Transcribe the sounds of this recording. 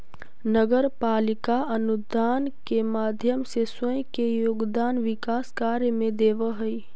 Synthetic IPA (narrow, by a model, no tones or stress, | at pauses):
nəɡəɾpaːlɪkaənud̪aːnkemaːd̪ʱjəmsesəjkejoːɡd̪aːnʋɪkaːskaɾjəmẽd̪eːʋəɦəi